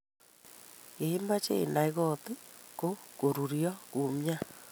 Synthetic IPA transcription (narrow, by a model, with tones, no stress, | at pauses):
ke˨i˦ma˦t͡ʃḛ˦˨na˨i˦ɣɔ˦t̪e˦ko˦ko˨ɾu˨ɾiɔ˦ku˨mja˦